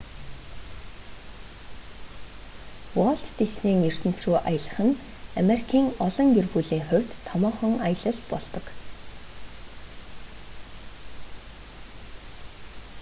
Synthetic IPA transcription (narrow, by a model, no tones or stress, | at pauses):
wɔɮt̪ːisneːŋɵr̥t̪ɘ̆n̥t͡sruːʔajə̆ɮə̆χə̆n | ameɾikʰiːŋɔɮɞ̆ŋjerpuːɮiːŋχʊw̥ʲt̪ʰːɔmɔːχɞ̆ŋajə̆ɮə̆ɮpɔɮt̪ɞ̆k